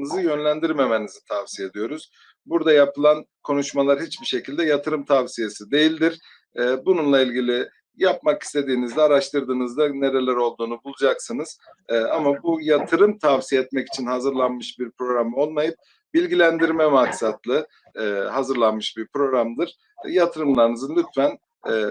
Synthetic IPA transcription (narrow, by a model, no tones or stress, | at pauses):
nɯzɯjø̞nlʲænd̪iɾme̞menizit̪ʰavsijed̪ijo̞ɾuz̥ | buɾd̪ajapʰɯlˠan | kʰo̞nuʃmalˠaɾhit͡ʃbiʃecʰilʲd̪ɛjat̪ʰɯɾɯmt̪ʰavsije̞sid̪e̞jilʲd̪iɾ̥ | ɛːbununlˠailʲɟilʲi | japmaki̥st̪ʰe̞d̪iːnizd̪ɛaɾaʃt̪ʰɯɾd̪ɯːnɯzd̪ane̞ɾe̞lʲæɾo̞lˠd̪uːnubulˠud͡ʒaksɯnɯz̥ | amabujat̪ʰɯɾɯmt̪ʰavsijeɛt̪mɛci̥t͡ʃʰinhazɯɾlˠanmɯʃbiɾpɾo̞ɡɾamo̞lˠmajɯp̚ | bilʲɟilʲænd̪iɾmɛmaksat̪lˠɯ | hazɯɾlˠanmɯʃbiɾpɾo̞ɡɾamd̪ɯɾ̥ | jat̪ʰɯɾɯmlˠaɾɯnɯzɯnlʲyt̪fæn | ɛ